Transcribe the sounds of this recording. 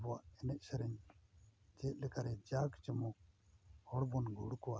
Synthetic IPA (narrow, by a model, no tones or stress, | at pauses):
bɔaʔɛnɛʔ̚sɛɾɛɲ | d͡ʒɛt̪̚ˀlɛkaɾɛd͡ʒaɡt͡ʃəmɔk̚hɔɽbɔnɡʱuɽkɔwa